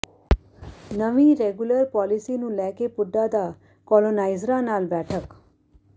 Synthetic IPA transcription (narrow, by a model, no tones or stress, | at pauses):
nəʋĩɾeːɡjʊləɾpɔːlisinũlɛːkepʊɖːad̪a | kɔːlonaːɪzɾãnaːlbɛːʈʰək